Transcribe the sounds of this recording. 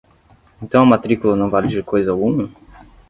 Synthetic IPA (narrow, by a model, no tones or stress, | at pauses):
ẽnt̪ɐ̃w̃ɐmat̪ɾikulɐnɐ̃w̃valɪd͡ʒiɾkʰojzɐawɡũmɐ